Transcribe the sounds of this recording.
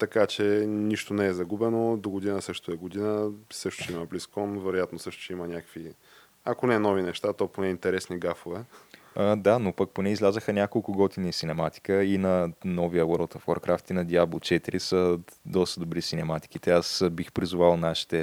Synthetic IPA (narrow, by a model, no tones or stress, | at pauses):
t̪ɐkat͡ʃɛniʃt̪onɛɛzɐɡubɛnod̪oɡʊd̪inəsɤʃt̪oɛɡod̪inəsɤʃt̪ʊ̥t͡ʃɛimɐbliskɔnvɛɾojat̪nosɤʃt̪ʊ̥t͡ʃɛimɐnʲakəvi | ɐkonɛnɔvinɛʃt̪at̪ɔponɛint̪ɛɾɛsniɡafovɛ | əd̪anopək̚ponɛizlʲazəxənʲakolˠkʊɡɔt̪inisinɛmat̪i̥kəinɐnɔvijəwəɾlˠt̪əfwoɾkɾʔaft̪inɐd̪iablˠot͡ʃɛt̪iɾisəd̪ɔst̪əd̪obɾisinɛmat̪i̥k̟it̪ɛasbixpɾizʊvalˠnaʃi̥t̪ɛ